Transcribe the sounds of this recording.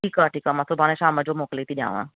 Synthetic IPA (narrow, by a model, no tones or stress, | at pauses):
ʈʰiːkaʈʰiːkamasobʱaːneʃaːməd͡ʒomoːkleːt̪iɗjã̰ːʋã̰